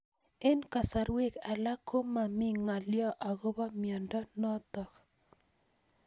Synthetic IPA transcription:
e˦nka˨sa˨ɾwe˦˨ka˨la˦kʰo˦ma˨mɪ˦ŋa˨ljɔ˦ʔa˨ɣo˦ba˦mjɔ˨ndɔ˦nɔ˦t̪ɔ˨k

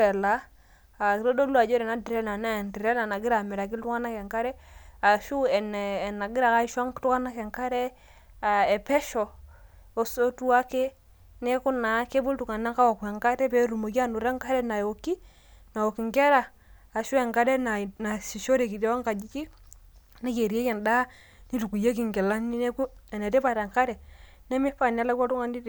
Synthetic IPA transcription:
ɛ˨la˨˦ | a˨ɾo˦do˦lu˦a˨d͡ʒɔ˦ɾɛ˨na˦di˨ɾɛ˦na˨na˦˨nti˨ɾɛ˦la˨na˨ɡɪ˦ɾa˨mɛ˨ɾa˨k̬i˦ltu˦ka˦na˦kɛ˨ŋka˦ɾɛ˦a˨ʃu˦ɛ˨nː˨na˨ɡɪ˦ɾa˨ka˦i˦ʃwa˦ŋktu˦ka˦na˦kɛ˨ŋka˦ɾɛ˦ | a˨ɛ˨pɛ˦ʃɔ˨ | o˦so˦tu˦a˦ke˦ | nɛ˦ku˦na˨˦ke˦bu˦ltu˨ka˨na˦ka˦wa˨kɛ˨ŋka˦tɛ˦pe˦ɾu˨mo˨ki˦a˦nu˨ɾa˦ŋka˦ɾɛ˦na˨jo˨ki˦ | na˨o˨ki˨ŋɡɛ˦ɾaː˨ | ʃu˦ɛ˨ŋɡa˦dɛ˦na˨na˨si˨ʃo˦ɾe˨ki˨de˦wa˦ŋka˨d͡ʒi˦ki˦ | na˦ke˨ɾe˦kɛ˨nda˦ | ni˦tu˨ku˨je˦k̬i˨ŋɡɛ˨la˦ni˦ne˦ku˦ɛ˨ne˨te˦pa˨ta˨ŋka˦ɾɛ˨ | nɛ˦mi˦pa˦˨n˦a˦la˦ka˦tu˦ŋa˦ndi˦d

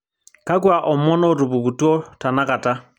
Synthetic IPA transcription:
ka˦kwa˨ʔɔ˨mɔ˦nɔ˦ɾu˨βu˨ku˨tu˦ɔ˦ta˨na˦ka˨ta˦

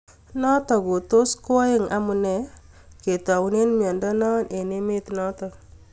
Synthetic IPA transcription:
nɔ˦tɔ˨ko˨to˦skɔ˦ɪ˦˨ŋa˨mu˨nɛ˨ | ke˨ta˨wne˦nmjɔ˨ndɔ˦nɔ˦nʔe˨ne˦me˦t̪nɔ˦tɔ˨

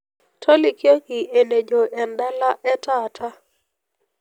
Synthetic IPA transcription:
tʰɔ˦li˦kjo˦ŋi˨e˨ne˨d͡ʒo˨ʔɛ˨nda˦la˦ʔɛ˦ta˦˨tʰa˦

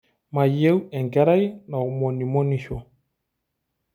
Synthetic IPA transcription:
ma˨je˦wɛ˨ŋɡɛ˦ɾa˦jna˨u˨mo˨ni˨mo˦ni˨ʃo˨

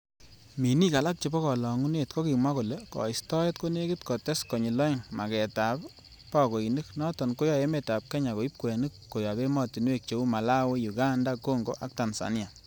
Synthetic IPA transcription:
mi˨ni˦ka˨la˦k̚t͡ʃe˨bɔ˦kɔ˨lɔ˨ŋu˦ne˨tko˦ki˨mwa˦ko˨le˨kɔ̰˨i˨stɔ˦e˦t̚ko˦ne˦ki˦tkɔ˨tɛ˦skɔ˨ɲi˨lɔ˦i˦ŋma˨kɛ˨ta˨p | pa˦ko˨i˨nɨ˦knɔ˦tɔ˨nko˦jɔ˦˨e˦me˨ta˨p̚kɛ˦ɲa˨ko˨i˦p̚ko˨ja˨nɨ˦kːo˨ja˨be˦mɔ˦ti˨n˦e˦k̚t͡ʃe˨˦u˦ma˨la˦we˦ju˨ɡa˦nda˦ko˦ŋɡo˦ʔa˦k̚ta˨nsa̰˨ni˦a˨

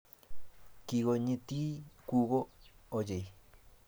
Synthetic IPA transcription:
ki˧ɣo˧ɲĩ˧t̪i˦ku˧ɣo˦o˧je˨j

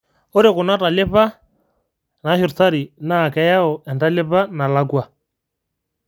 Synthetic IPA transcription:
o˦ɾɪ˨kʊ˨na˦ta˨lɪ˦pa˦ | na˨˦ʃi˨ɾta˦ɾi˨naː˨kɛ˨ja˦ɔ˨ʔɛ˨nda˦lɪ˦pa˦na˨la˦kwa˨

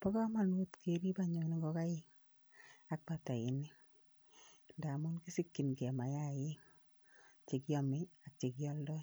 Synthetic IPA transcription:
pɔ˦ka˦ma˨nwo˦tke˦ɾi˦ba˦ɲo˨ni˦ŋɡɔ˦ka˦jɪ˦ŋ | a˨˦k̚pa˨ta˨ɪ̰˨ni˦ | nda˨mu˦nki˦si˦kːi˨nkɛ˨ma˨ja˦˨jɪ˦ŋ | t͡ʃe˨kjɔ˨mi˦a˨k̚t͡ʃe˨kjɔ˦ldɔ˦

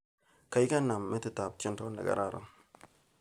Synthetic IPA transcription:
ka˨jka˦nːa˨mmɛ˦t̪ɪ˦˨t̪a˨bt̪ɪ˦nt̪o˦nɐ̰˨ɡɐ̰˨ɾa˨ɾɐ̰˨m

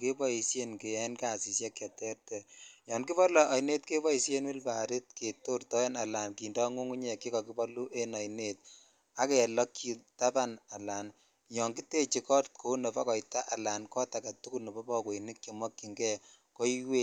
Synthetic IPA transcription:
ke˦bɔ˦i˨sje˦nke˨a˨nka˨si˨sjɛ˦kːa˨tɛ˦rtɛ˨jɔ˨nki˦pɔ˦lɔ˨ʔa˨jne˦tke˦bɔ˦i˨sje˦nwi˦lpa˨ɾi˦t̚ke˨to˦rtɔ˦e˦na˨la˨nki˨ndɔ˦ŋu˦ŋu˦ɲeki˦kɔ˨ki˦bɔ˦lu˦ʔe˦na˨jne˦t̚ | a˦kɛ˨lɔ˦kːi˨ta˦pa˦na˨la˨n | jɔ˨ŋɡi˦te˦t͡ʃi˨kɔ˦t̚ko˨nɔ˨bɔ˦kɔ˨jta˦ʔa˨la˨nkɔ˦ta˨ka˨tu˦ku˦lnɔ˨bɔ˦pɔ˦ko˨i˨ni˦kki˨mwɔ˦kːi˨ŋɡɛ˦ | ko˦i˦we˦

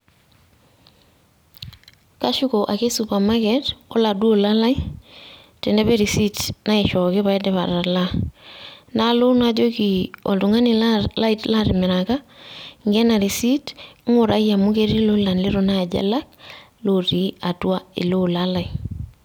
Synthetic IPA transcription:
ka˦ʃu˦ko˨ʔa˨ke˦supa˨ma˦kɛtɔ˦ladu˦o˦la˦la˦i˦ | tɛ˨ndɛ˦be˦ɾi˨si˦tna˦ɪʃɔ˨kɪ˦βa˨ɛ˦dɛ˦βa̰˨ɾa˨la˦ | na˦lʊ˦na˦d͡ʒo˦ki˨ɔ̰˨ltu˨ŋa˦nɪ˨la˦itla˦ɾɪ˨mɪ˨ɾa˨ka˦ŋɡɛ˦na˨ɾi˨si˦tŋʊ˨ɾʔa˦ja˨mu˦ke˦ɾi˦lʊ˦la˨nlɪ˦ɾo˦na˦˨ɟa̰˦la˦k̚ | loɾi˨a˨twa˦ɪ̰˨lo˦lala˨i

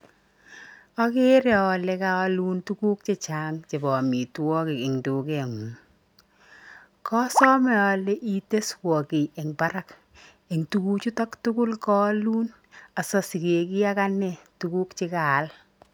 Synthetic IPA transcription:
ɔ˦kɪ˦ɾɛ˨ɔ˨le˨ka˦ɔ˦lu˦ntu˦ku˦k̚t͡ʃɪ˦t͡ʃa˦ŋt͡ʃe˨bɔ˨mi˨twɔ˦kɪ˨kɪ˨ŋdu˨ke˨ŋu˨ŋ | kɔ˦sɔ˦mɛ˨ɔ˨le˦ʔi˦te˦swɔ˨kɪ˨e˨ŋba˦ɾa˦k | e˨ŋtu˦ku˦t͡ʃu˦tɔ˦ktʊ˦kʊ˦lkɔ˦luː˦n | a˨sɔ˨si˨ke˨kɪ˦a˦ka˦nɛ˦tu˦ku˦kt͡ʃɪ˦kaː˨l

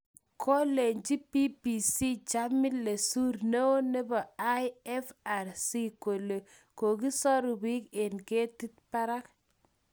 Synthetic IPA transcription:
kʰo˦le˨ɲt͡ʃi˦pi˦pi˨si˦t͡ʃa˦mɪ˦tle˨su˦ɾne˦o˦ne˦bɔ˨a˦jɛ˦fa˨ɾsi˦ko˨le˨ | ko˨ki˦sɔ˦ɾu˨bi˦ke˨nke˦ti˦t̚pa˦ɾa˦k

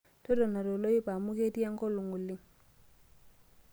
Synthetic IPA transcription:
tɔ˦dɔ˨na˨ɾo˨lo˦i˦pa˨mu˦ke˦ti˦a˦ŋkɔ˦lu˨ŋu˨lːi˦ŋ

